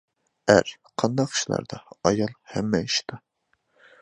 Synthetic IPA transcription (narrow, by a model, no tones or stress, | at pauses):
æɾ | qʰɑnd̪ɑqʰʃlˠɑ̰ɾd̪ɑɑjɑlˠhɛmːɛiʃt̪ʰɑ